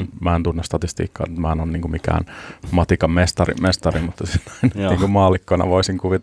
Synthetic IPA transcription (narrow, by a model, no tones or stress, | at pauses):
mæːent̪unːest̪ɑt̪ist̪ḭːkːɑ̰ːnyt̪mæːˑenonniːŋkumikæ̰ːnmɑt̪ikɑmmest̪ɑrḭmest̪ɑrimut̪ːɑsinːɑinniːŋkummɑːlikːonɑ̰ʋoisiŋkuʋit̪